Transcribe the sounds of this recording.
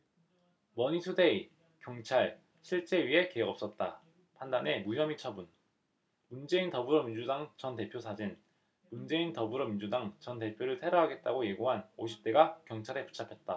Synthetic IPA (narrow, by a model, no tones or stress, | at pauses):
mʌɲisʰude̞i | kjʌŋt͡ɕʰaɭ | ɕʰiɭt͡ɕ͈e̞ɥiɦe̞keɦʌɡʌp̚s͈ʌt̚t͈a | pʰandane̞muɦjʌmit͡ɕʰʌbun | mund͡ʑe̞intʌbuɾomind͡ʑudaŋt͡ɕʌnte̞pʰjosʰad͡ʑin | mund͡ʑe̞intʌbuɾomind͡ʑudaŋt͡ɕʌnte̞pʰjoɾɯɭtʰe̞ɾʌɦaɡe̞t̚t͈aɡoje̞ɡuɦanoɕʰi̥p̚t͈e̞ɡakjʌŋt͡ɕʰaɾe̞pu̥t͡ɕʰapʰet̚t͈a